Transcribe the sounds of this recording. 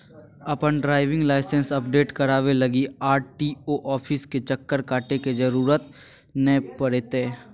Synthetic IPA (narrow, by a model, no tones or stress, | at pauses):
ɐpənɖɾaːɪʋɪ̃ŋɡlaːɪsə̃nsɐp̚ɖeːʈkɐɾaːʋelɐɡiaːɾʈiːoːʔɔːpʰɪsket͡ʃəkːəɾkaːʈeked͡ʒəɾuːɾət̪̚ | nɛpəɽet̪eː